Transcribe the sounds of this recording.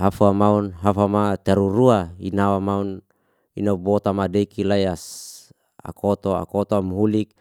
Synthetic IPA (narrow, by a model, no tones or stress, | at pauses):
ɦafuamaunɦafamat̪aɾuɾuainawamaun | inabot̪amadekilajas | a̰kʰot̪oa̰kot̪oamɦulik̚